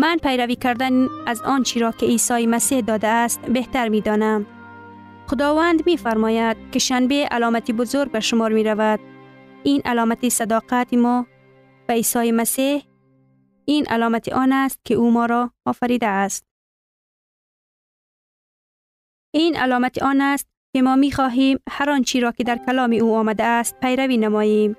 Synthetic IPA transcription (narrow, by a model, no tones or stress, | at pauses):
manpajɾaviːkaɾd̪anazɔnt͡ʃiɾɔkɪisɒjimasihd̪ɒd̪aːst̪beht̪aɾmid̪ɔnam | xʊd̪ɒvand̪mifaɾmɔjad̪̥̚kɪʃanbeʔa̰lɔmat̪ibʊzoɾɡ̚baʃʊmɔɾmeɾavad̪̥̚inʔa̰lɔmat̪isad̪ɒqat̪imɔ | b̥aisɒjemasih | inʔa̰lɔmat̪iʔɔnast̪̚kɪumɔɾɔːfaɾid̪aːst̪̚ | ina̰lɔmat̪iʔɔnast̪̚kɪmɔmixɔɦimhaɾɒnt͡ʃiɾɔkɪd̪aɾkalɒmiuɔmad̪aːst̪̚pajɾavinamɔjem